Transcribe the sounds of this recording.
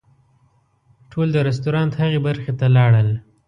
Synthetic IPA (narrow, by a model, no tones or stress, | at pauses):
ʈʰold̪əɾɛs̬t̪oɾɑnt̪haɣebaɾxet̪alɑɽəl